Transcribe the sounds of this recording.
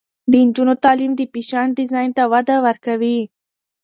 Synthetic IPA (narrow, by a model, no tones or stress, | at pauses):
d̪əɪnd͡ʒunot̪ɑlimd̪əpiʃɑnɖɪzɑjnt̪awad̪awəɾkawi